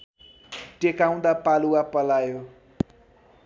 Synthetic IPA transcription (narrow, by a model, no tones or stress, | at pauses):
ʈekaw̃d̪apaluwapʌlajo